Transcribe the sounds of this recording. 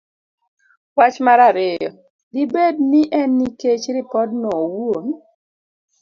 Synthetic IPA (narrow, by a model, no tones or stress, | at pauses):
wat͡ʃmaɾaɾɛjɔ | dibed̚niʔɛnːiket͡ʃɾɪpɔd̚nɔwom